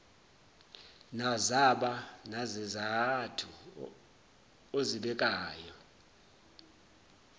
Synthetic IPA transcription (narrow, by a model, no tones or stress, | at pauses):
nazaɓanazɛzatʰu | oziɓɛk̬ʼaːjɔ